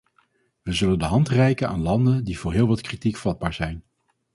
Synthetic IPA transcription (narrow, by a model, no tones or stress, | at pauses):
ʋəzɵləndəɦɑntrɛjkəna̰ːnlɑndəndivʊːɹɦɪːlˠʋɑtkritikfɑd̚baːɹzɛjn